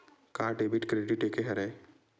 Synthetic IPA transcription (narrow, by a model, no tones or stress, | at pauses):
kaːɾʈebiʈkɾeɖiʈekeɦɐɾɛj